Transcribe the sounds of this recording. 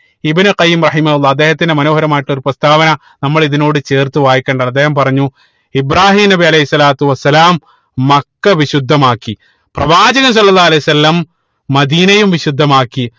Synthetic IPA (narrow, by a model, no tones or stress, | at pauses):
ibɨnuqɐjːimrɐħimɐhulːɑːɐd̪ːe̞ːhɐt̪̬ːindemɐnoːɦɐɾɐmaːjiʈːo̞ɾuprɐst̪ʰaːʋɐnɐ | nɐmːɐɭiðino̞ːɽɨt͡ɕe̞ːrt̪uʋaːjikʲːeːɳɖaɐd̪ːe̞ːhɐmpɐrɐɲːu | ibraːɦiːmnɐbiɐlɐjɦisːɐlaːt̪uʋɐsːɐlaːmː | ɐkːɐʋiɕud̪ʱːɐmaːkːi | prɐʋaːd͡ʑɐɣɐms̬ɐlːɐlːaːɐlejusɐlːɐmː | ɐd̪iːnɐjumʋiɕud̪ʱːɐmaːkːi